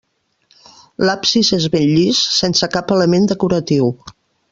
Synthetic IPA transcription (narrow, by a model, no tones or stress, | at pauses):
lapsizezβeʎʎissensəkapələmend̪əkuɾət̪iw